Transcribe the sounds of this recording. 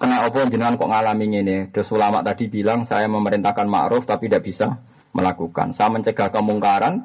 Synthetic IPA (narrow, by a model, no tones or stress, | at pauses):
kənaʔɔbɔɲd͡ʒənŋankɔ̰ʔŋalamiŋenet̪ɾʊswəlama̰ʔt̪ad̥ibilaŋsa̰jaməməɾint̪ahkanma̰ʔɾʊft̪apidaʔb̥isa | mʔə̰lakuka̰nsajaməɲt͡ʃəɡ̥a̤hkəmuŋkaɾan